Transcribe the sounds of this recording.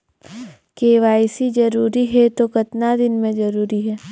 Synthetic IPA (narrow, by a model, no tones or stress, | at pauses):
keːʋaːɪsid͡ʒɐɾuːɾiɦɛt̪okɐt̪nad̪ɪnmẽzɐɾuːɾiɦɛː